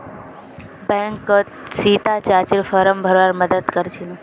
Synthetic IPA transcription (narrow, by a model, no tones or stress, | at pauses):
bɛ̃ːŋkːo | siːt̪at͡ɕaːt͡ʃɪɾfəɾəmbʱəɾʋaːɾməd̪əd̪kəɾt͡ʃʰilu